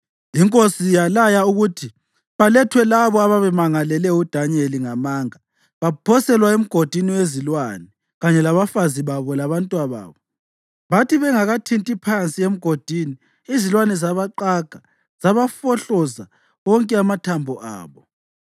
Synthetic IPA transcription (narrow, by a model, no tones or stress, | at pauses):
iŋkʼosijalajauɣutʰi | βalɛtʰwɛlaβɔaβaβɛmaŋalɛlɛud̥ʱaɲeliŋamaːŋa | βapʰɔsɛlwaem̩ɡ̥ʱod̥ʱiniwezilwanɛ | ɣaɲɛlaβafaziβaβɔlaβantʼwaβa̰ːβɔ | βatʰiβɛŋaɣatʰintʼipʰant͡sʼiem̩ɡ̥ʱod̥ʱiːniː | zilwanɛzaβaǃaɡ̥ʱa | z̥aβafɔɬɔza | ɣɔŋkʼɛamatʰambʱɔʔa̰ːβɔ